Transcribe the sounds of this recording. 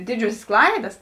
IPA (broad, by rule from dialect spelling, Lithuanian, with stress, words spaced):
ˈdʲɪd͡ʒʲuɔsʲeːs ˈklˠɐɪdɐs